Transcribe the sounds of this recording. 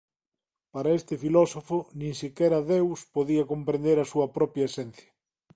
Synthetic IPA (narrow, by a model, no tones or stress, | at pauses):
paɾɐest̪ɪfilɔsofʊnĩŋsikɛɾɐaðewspoðiɐkompɾẽnd̪eɾɐsuɐpɾɔpjɐesɛn̟θjɐ̥